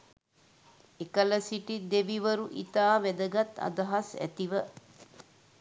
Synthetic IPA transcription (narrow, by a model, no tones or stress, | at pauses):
ekələsiʈid̪eʋiʋəɾuʔit̪aːʋed̪əɡat̪ːɐ̰d̪ɐɦasæ̰t̪iʋə